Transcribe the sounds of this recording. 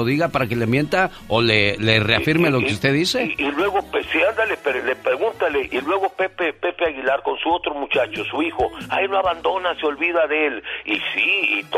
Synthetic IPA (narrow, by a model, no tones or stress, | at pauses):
oðiɣapaɾakelemje̞nt̪a | olelereafiɾmelo̞keust̪eðiseilweɣopesiand̪alepeɾlepɾeɣunt̪ale̞ʔilwe̞ɣo̞pepepe̞peaɣilaɾko̞nsuo̞t̪ɾo̞mut͡ʃat͡ʃo̞suixo̞a̰enoaβand̪o̞naseo̞lβiðaðe̞lisiːt̪